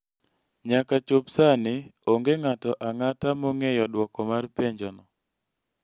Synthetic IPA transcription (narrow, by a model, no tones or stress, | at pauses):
ɲakat͡ʃʊpsanɪoŋɡeŋatɔʔaŋatamɔŋejɔdwɔkɔmarpeɲd͡ʒɔnɔ